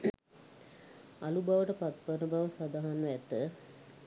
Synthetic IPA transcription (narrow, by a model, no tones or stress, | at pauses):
alubaʋəʈəpat̪pənəbaʋəsad̪aɦanʋɛt̪ə